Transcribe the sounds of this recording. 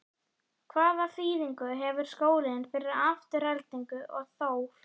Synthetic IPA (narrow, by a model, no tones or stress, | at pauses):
kʰvaːðafiːðiŋkʏɦɛvʏɾ̥skoːwlɪɪnfɪɾɪɾaft̪ɪr̥ɛlt̪iŋkʏʔɔ̰ɣθoːw